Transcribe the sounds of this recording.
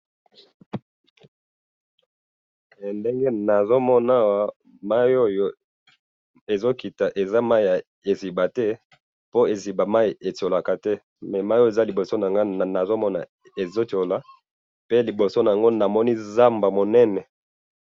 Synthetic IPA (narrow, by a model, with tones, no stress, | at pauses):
nde˦ŋɡe˦na˨zo˦mɔ˦na˦˨wa˦ | ma˦jo˦jo˦ | e˨zo˦ki˨ta˨ʔe˨za˦ma˦ja˨ | e˨zi˨ba˨tɛ˦ | po˦e˨zi˨ba˨ma˦i˨e˨to˨la˨ka˨tɛ˦ | mɛ˨ma˦jo˦e˨za˦li˨bo˨so˦na˨ŋɡa˦˨na˨zo˦mɔ˦na̰˨ | e˨zo˦to˨la˨ | pe˦li˨bo˨so˦na˨a˨ŋɡo˦na˨mɔ˦ni˦za˦mba˨mo˨nɛ˦nɛ˨